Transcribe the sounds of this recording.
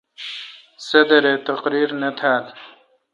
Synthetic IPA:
sɐd̪ɐɾet̪ɐqɾiːɾnɐt̪ʰaːl

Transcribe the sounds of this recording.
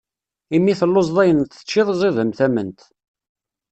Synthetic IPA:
imːiθəlːozðˤæjənt̪ə̥t͡ʃːɪðˤzˤɪðəmθæmənt̪

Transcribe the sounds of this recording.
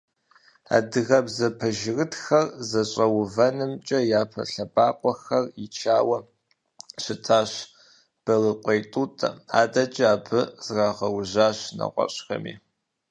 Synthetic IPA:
a̰ːdɨɣɐbzɐpʰɐʒɪrɨtxɐrzɐɕʼɐwʊvɐnɨmt͡ʃʼɐjaːpʰɐ̰ɬɐbʼaːqʷɔxɐrit͡ʃʰaːwɐ | ɕɪtʰaːɕ | b̥ɐlɨqʷʼejtʼuːtʼɐ̰a̰ːdʼɐt͡ʃʼaːpʰɨz̥raːʁɐwʑaːɕnɐ̰qʷʼɔ̰ɕʼxɐ̰mḭː

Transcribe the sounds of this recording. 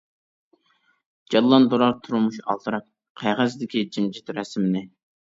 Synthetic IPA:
d͡ʒɑlˠːɑnd̪oɾɑɾt̪ʰuɾumuʃɑ̰lˠt̪ʰɨɾɑq̚ | qʰæʁæzd̪ɪkʲid͡ʒimd͡ʒit̪ɾɛsmɪnɪ

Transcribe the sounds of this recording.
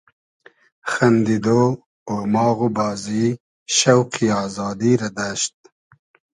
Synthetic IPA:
xɐnd̪id̪o | omɑːɣubɑːzi | ʃawqʰiɑːzɑːd̪iɾad̪aʃt̪̚

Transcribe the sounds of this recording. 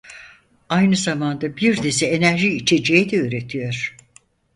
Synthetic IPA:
ajnɯzamand̪abiɾd̪ezɛenæɾʒiit͡ʃʰe̞d͡ʒejid̪ɛøɾe̞t̪ʰijoɾ̥

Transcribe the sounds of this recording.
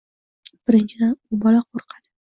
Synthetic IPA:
b̥ɪɾɪnt͡ʃʰɪd̪anʊbɒlaqʰoɾqʰɑd̪̥ɪ̥

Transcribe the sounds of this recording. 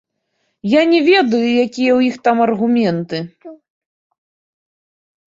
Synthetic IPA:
janʲɛvʲɛd̪ɐjujakʲijɛwjixt̪amɐrɣumʲɛnt̪ɨ

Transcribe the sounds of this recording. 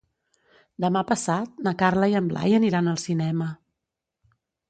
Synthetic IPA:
d̪əmapəsat̪̚nəkarləiəmbla̰jəniɾanəlˠsinɛmə

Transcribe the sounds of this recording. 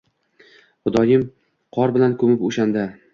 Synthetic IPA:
χʊd̪ɒjɪm | qʰɒɾbɪlankʰɵmɪpoʃand̪a

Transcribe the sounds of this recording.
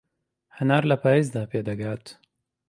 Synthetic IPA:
hɐnaːɾlɐpaːjeːzd̪aːpeːd̪ɐɡaːt̪

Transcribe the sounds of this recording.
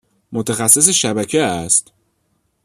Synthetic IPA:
mot̪ʰæxæsːes̬eʃæbæcʰeæst̪

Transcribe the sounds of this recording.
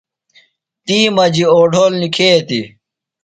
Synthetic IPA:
t̪iːmɐd͡ʑioːɖʱoːlnikʰeːt̪i

